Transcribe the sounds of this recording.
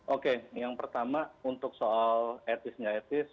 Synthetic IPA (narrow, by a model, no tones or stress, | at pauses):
ʔokejaŋpərt̪amaunt̪ʊk̚soalɛt̪ɪsɲaɛt̪ɪs